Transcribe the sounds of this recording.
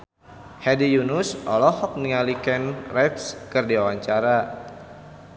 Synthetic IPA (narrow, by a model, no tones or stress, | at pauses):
hɛdijunusɔlɔhɔk̚niŋalikɛnrɛpskɨrdiwawaɲt͡ʃaɾa